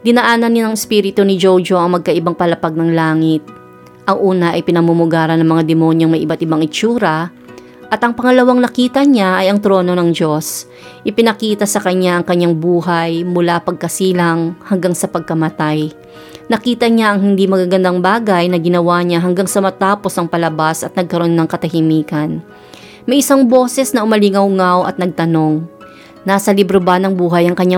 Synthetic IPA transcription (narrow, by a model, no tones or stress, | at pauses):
d̪ɪnɐʔaːnɐnːanɐŋɛspiːɾɪt̪onɪd͡ʒowd͡ʒoʔɐŋmɐɡ̚kɐʔɪbaŋpɐlɐpaɡ̚nɐŋlaːŋɪt̪̚ | ʔɐŋʔuːnɐʔɐjpɪnɐmumʊɡaːɾɐnːɐŋmɐŋad̪ɛmo̞ɲjoŋmɐjʔɪbat̪̚ɪbaŋɪt͡ʃuːɾɐ | ʔɐt̪ɐŋpɐŋɐlɐwaŋnɐkiːt̪ɐɲaʔɐjɐŋt̪ɾo̞ːno̞nɐŋd͡ʒo̞s | ʔɪpɪnɐkiːt̪ɐsɐkɐɲːaʔɐŋkɐɲːaŋbuːɦɐjmʊlapɐɡ̚kɐsiːlɐŋhɐŋɡaŋsɐpɐɡ̚kɐmɐt̪aj | nɐkiːt̪ɐɲaʔɐŋhɪnd̪imɐɡaːɡɐnd̪aŋbaːɡɐjnɐɡɪnɐwaɲaɦɐŋɡaŋsɐmɐt̪aːpo̞sɐŋpɐlɐbasɐt̪̚nɐɡ̚kɐɾo̞nːɐŋkɐt̪ɐhɪmiːkɐn | mɐjʔɪsaŋbo̞ːsɛsnɐʔʊmɐlɪŋɐwŋawʔɐ̰t̪̚nɐɡ̚t̪ɐno̞ŋ | naːsɐlibɾobanɐŋbuːɦɐjɐŋkɐɲːa